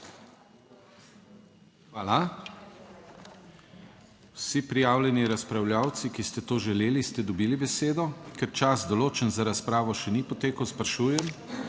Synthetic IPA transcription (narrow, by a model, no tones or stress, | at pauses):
xʋaːla | wsipɾijaːwlʲjɛniɾaspɾawljaːwt̪sikist̪ɛt̪oːʒɛleːlist̪ɛd̪ɔbiːlibɛseːd̪ɔkɛɾt͡ʃazd̪ɔloːt͡ʃənzaɾaspɾaːʋɔʃɛnipɔt̪eːkəwspɾaʃuːjɛm